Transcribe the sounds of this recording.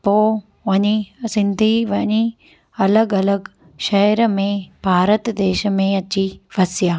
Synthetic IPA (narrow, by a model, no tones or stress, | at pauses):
poː | ʋɐɲisɪnd̪ʱiʋɐɲi | ɐləɡɐləɡ | ʃɐjɾmẽbʱaːɾət̪d̪eːʃmẽɐt͡ɕiʋɐsjaː